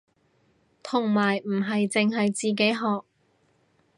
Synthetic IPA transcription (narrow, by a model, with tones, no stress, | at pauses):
t̪ʰʊ˨˩ŋmaː˨˩jm̩˨˩ɦɐ˨jt͡sɪ˨ŋɦɐ˨jt͡siː˨k̬e˨˥jɦɔː˨˧k̚